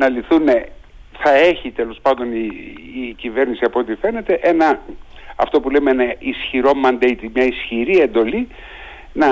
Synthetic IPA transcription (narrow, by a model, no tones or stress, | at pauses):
nɐliθune̞ | θɐe̞çit̪e̞lo̞spɐnd̪o̞niː | cive̞ɾnisiɐpoot̪ife̞ne̞t̪e̞ʔe̞nɐɐ̰ft̪o̞pule̞meenɐisçiɾo̞mɐnd̪ejt̪imɲɐisçiɾie̞nd̪o̞li | nɐ